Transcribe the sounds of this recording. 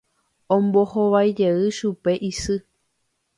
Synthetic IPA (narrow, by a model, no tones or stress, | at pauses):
õmbohoʋajd͡ʒeɨʃupe̞ʔisɨ